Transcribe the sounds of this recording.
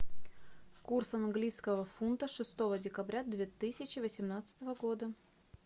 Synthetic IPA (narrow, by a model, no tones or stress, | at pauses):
kursɐnɡlʲijskəvəfunt̪əʂɨst̪o̞vədʲɪkɐbɾʲad̪vʲet̪ɨsʲɪt͡ɕɪvəsʲɪmnat̪sə̥t̪əvəɡo̞d̪ə